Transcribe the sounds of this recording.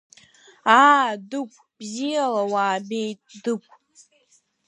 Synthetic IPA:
aːdɨkʷʼbzijalawaːbejtʼdɨkʷʼ

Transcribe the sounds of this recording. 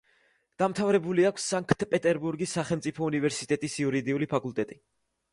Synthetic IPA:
d̪̥amt̪ʰavɾɛbuliakʷʰsːaŋkʰʼt̪pʼɛt̪ʼɛɾbuɾɡisːaχɛlmt̪sʼipʰɔunivɛɾsit̪ʼɛt̪ʼisiuɾid̪iulipʰakʼulˠt̪ʼɛt̪ʼi

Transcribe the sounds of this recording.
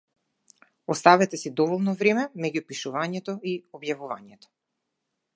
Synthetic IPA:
ɔst̪avɛt̪ɛsid̪ɔvɔlˠnɔvɾɛmɛmɛɟupiʃuvaɲɛt̪ɔiɔbjavuva̰ɲɛt̪ɔ̥

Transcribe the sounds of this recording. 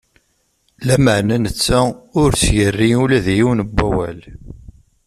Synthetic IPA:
læməʕnænət͡sːæʊɾt͡sjərːiulæðjiwnəbːæwæ̰l

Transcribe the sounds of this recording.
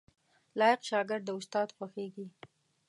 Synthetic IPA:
lɑjɪqʃɑɡɪɾd̪̚d̪əʊst̪ɑd̪xaxeɡi

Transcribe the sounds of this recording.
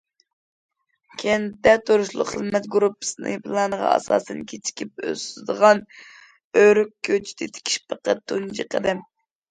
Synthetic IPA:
kʲʰend̪ɛt̪ʰoɾuʃlˠʊ̰qχəzmɛt̪ɡuɾupːɨ̥sɨnɨ̰pʰɨlˠɑnəʁɑ̰ɑ̰sɑ̰ːsɨnkʲʰet͡ʃʰi̥kʲʰip̚ø̰sd̪əʁɑn | øɾykʲʰːøt͡ʃʰi̥d̪ɪt̪ʰe̥kʲʰi̥ʃpəqət̪ʰːund͡ʒiqʰəd̪ɨm

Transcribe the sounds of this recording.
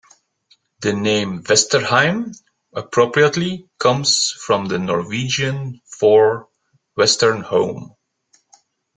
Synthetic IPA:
ðɨnẽɪ̃mvɛstə˞hãɪ̃m | əpʰɹopɹiətˡlikʰʌ̃mz̥fɹʌ̃mðɨnɔɹwid͡ʒɨ̃nfɔɹ | wɛstə˞nhõʊ̃m

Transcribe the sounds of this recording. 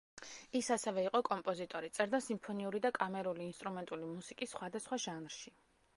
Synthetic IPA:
isasɛvɛiqʼɔkʼɔmpʼɔzit̪ʼɔɾit̪sʼɛɾd̪asimpʰɔniuɾid̪akʼamɛɾuliːnst̪ʼɾumɛnt̪ʼulimusikʼisːχwad̪asχwaʒanɾʃi

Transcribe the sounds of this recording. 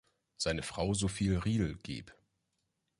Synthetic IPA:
z̥aɪnəfʁ̥aʊzofiːlʁiːl̩ɡ̥ḛːp

